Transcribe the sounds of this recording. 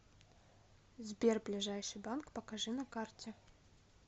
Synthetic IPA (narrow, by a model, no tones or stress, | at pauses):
zbʲerblʲɪʐajʂɨjbankpɐkɐʐɨnɐkartʲɪ